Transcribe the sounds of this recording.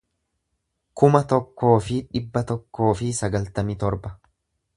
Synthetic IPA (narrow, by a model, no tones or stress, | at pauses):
kʊmɐt̪ɔkːo̞ːfɪᶑɪbːɐt̪ɔkːo̞ːfɪsɐɡɐlt̪ɐmɪt̪ɔɾbɐ